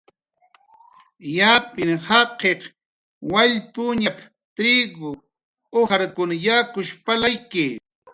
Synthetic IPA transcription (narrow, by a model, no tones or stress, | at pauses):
japɪŋhɑqeh | waʎpʊɲap | t̪ɾɪɡʊ | oaɾkʊnajakʊʃpalajkɪ